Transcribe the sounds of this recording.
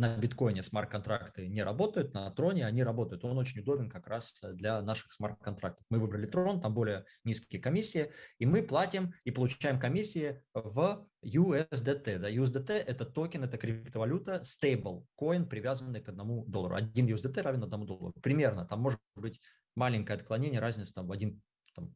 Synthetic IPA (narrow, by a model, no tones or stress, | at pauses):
nəbʲɪt̪ko̞jɪnʲɪsmart̪̚kɐnt̪ɾakt̪ɨnʲɪɾɐbo̞t̪əjʊt̪̚nɐət̪ɾo̞nʲɪɐnʲiɾɐbo̞t̪əjʊt̪o̞not͡ɕɪnʲʊd̪o̞bʲɪnkɐkɾasd̪lʲanaʂɨ̥xsmart̪̚kɐnt̪ɾak̚t̪ə̥fmɨvɨbɾəlʲɪt̪ɾo̞nt̪ambo̞lʲɪjə | nʲiskʲɪjəkɐmʲisʲːɪɪimɨplˠatʲɪmipəlˠʊt͡ɕæjɪmkɐmʲisʲːɪɪvjuɛs̬d̪ɛt̪ɛd̪ajʊɛzd̪ɛt̪ɛʔɛt̪ət̪okʲɪnɛt̪əkɾʲɪpt̪əvɐlʲut̪əst̪ejbəlˠko̞ɪnpɾʲɪvʲazənːɨjkəd̪nɐmud̪olˠːəɾʊ̰ɐ̰dʲinjʊzd̪ɛt̪ɛɾavʲɪnɐd̪nɐmud̪o̞̰lˠə̰ɾʊpɾʲɪmʲernət̪amːo̞ʐɨt̪bɨtʲ | malʲɪŋʲkəəɐt̪klˠɐnʲenʲɪjəɾazʲnʲɪt̪sət̪amvɐdʲin | t̪am